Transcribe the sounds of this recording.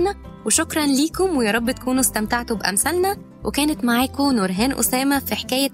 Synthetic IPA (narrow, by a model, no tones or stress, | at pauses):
næweʃokɾˤɑnliːkomwejæːɾˤɑbːt̪æ̥kʰuːnust̪æmt̪aʕt̪obʔæ̰msælnæ | wʔekæːnet̪maʕaːkonoɾɦæːnʔo̰sæːmæfiħe̥kæːjæ